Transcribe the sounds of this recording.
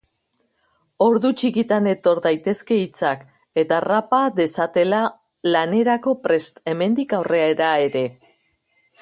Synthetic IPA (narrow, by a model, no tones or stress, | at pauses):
o̞ɾðut͡ʃikit̪ane̞t̪o̞ɾðajt̪e̞ske̞it͡sak | e̞t̪arapad̪e̞sat̪e̞la | lane̞ɾako̞pɾe̞st̪e̞me̞nd̪ikawre̞aeɾae̞ɾe̞